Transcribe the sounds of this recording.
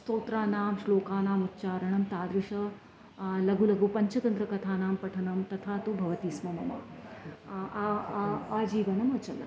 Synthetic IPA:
st̪oːt̪ɾaːnaːmʃloːkaːnaːmut̪t͡ʃaːɾɐɳɐmt̪aːd̪ɾuʃɐ | lɐɡulɐɡupɐɲt͡ʃɐt̪ɐnd̪ɾɐkɐt̪ʰaːnaːmpɐʈʰɐnɐmt̪ɐt̪ʰaːt̪ubʱɐʋɐt̪iːsmɐmɐmɐ̰ | aːd͡ʒiːʋɐnɐmɐt͡ʃɐlɐ̰

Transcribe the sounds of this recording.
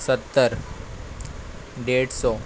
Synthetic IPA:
sət̪ːəɾ | ɖeɽsɔ

